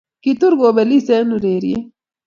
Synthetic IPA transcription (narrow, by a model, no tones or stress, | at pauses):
kit̪uɾɡoːbelisenuɾeːɾḭe